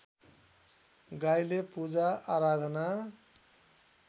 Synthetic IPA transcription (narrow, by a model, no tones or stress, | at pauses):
ɡajlepud͡zaaɾad̪ʱʌna